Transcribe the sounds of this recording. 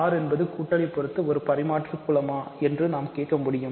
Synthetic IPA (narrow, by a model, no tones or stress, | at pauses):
aːɾɛnbɐðɯkuːʈːɐɭɪpːɔɾɯt̪ːɯɔɾɯpɐɾɪmaːʈrɯkːʊɭɐmaːɛndrɯnaːmkeːʈ̚kɐmʊɽɪjɯm